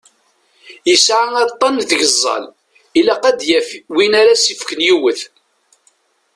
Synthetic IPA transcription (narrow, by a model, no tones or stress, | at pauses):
jəsʕaɑt̪ˤːɑnðəʝəzˤːɑ̰l | ilaqæd̪jæfwinaɾasifkənjiwəθ